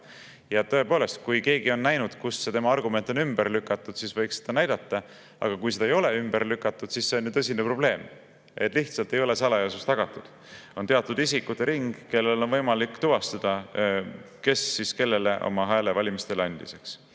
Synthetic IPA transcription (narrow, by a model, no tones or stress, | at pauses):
jɑt̪ɤ̞e̞po̞ːle̞st̪̚kujke̞ːɡio̞nːæjnud̪̥kusːe̞t̪e̞mɑɑrɡume̞nt̪ˑo̞nymb̥əɾlykːˑɑt̪ːˑud̪̥sisvɤjksed̪̥ɑnæjd̪̥ɑt̪ˑːɑ | ʔɑ̰ɡ̥ɑkujsed̪̥ɑejo̞le̞ymb̥ərlykːˑɑt̪ːˑud̪̥sisse̞o̞njt̪ɤs̬ʲinepro̞b̥le̞ːm | e̞̰t̪ːˑliht̪sɑlt̪ˑe̞jo̞le̞sɑlɑjɑsust̪ɑɡ̥ɑt̪ːˑud̪̥ | o̞nt̪e̞ɑt̪ːˑud̪isikːˑut̪ːeɾiŋɡ̥ke̞lːelo̞nvɤjmɑlikːˑt̪uvɑst̪ɑd̪̥ɑ | ke̞sːiske̞lːe̞le̞ʔo̞̰mɑɦæːlevɑlʲimist̪e̞lɑnʲd̪̥ise̞ks